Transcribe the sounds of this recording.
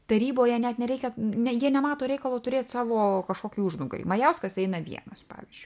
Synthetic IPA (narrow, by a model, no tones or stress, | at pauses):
t̪ɐɾʲiːboːjɛnʲɛt̪nʲɛɾʲɛɪkʲɛnʲɛjiɛnʲɛmɑːt̪oːɾʲɛɪkɐlˠoːt̪ʊɾʲeːt̪ʲsɑːʋoːkɐʃkoːkʲiːʊʒnʊɡrʲḭmɐjɛʊskɐsɛɪnɐʋʲḭɛ̰nɐspɑ̰ːʋʲiɪzʲd͡ʒʲʊ